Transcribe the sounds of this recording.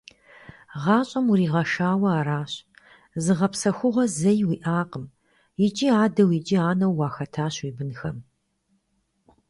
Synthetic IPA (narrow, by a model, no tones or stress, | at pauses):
ʁɑːɕʼɐmuɾiːʁɐʃaːwɐaːɾaːɕ | zɨʁɐpsɐxʷʊʁʷɔzɐjwiːʔaːqəm | jɪt͡ʃʼiaːdɐwit͡ʃʼiaːnɐwːɑːxɐtʰaːɕiːbɨnxɐm